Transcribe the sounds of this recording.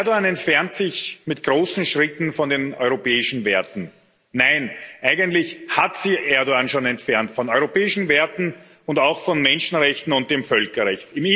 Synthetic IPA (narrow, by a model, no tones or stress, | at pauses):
ɐdoaːnɛntfɛɐntsɪçmɪtɡ̥ʁoːsn̩ʃʁɪtn̩fɔndeːnɔʏʁopɛːɪʃn̩vɛɐtn̩ː | aɪnʔæɪɡəntlɪçhatsɪçʔɛɐdoanʃoːnɛntfɛɐntfɔnɔʏʁopɛːɪʃn̩vɛɐtn̩ | ʊndaʊxfɔnmɛnʃn̩ʁɛçtn̩ʊnt̚d̥eːmfœlkɐʁɛçtɪm